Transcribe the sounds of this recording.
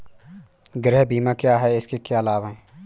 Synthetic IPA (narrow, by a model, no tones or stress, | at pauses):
ɡɾɛːɦbiːmãkjaːɦɛɪskekjaːlaːwɦɛ̃ː